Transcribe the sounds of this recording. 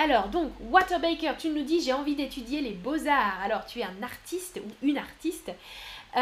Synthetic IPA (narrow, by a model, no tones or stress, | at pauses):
alɔːʁd̪ɔ̃kwat̪ɛʁbejkʲœʁt̪ynud̪iʒeɑ̃vid̪et̪ʰyd̪jelebozaːʁalɔʁt̪yɛɛ̃naʁt̪ʰist̪uynaʁt̪ist̪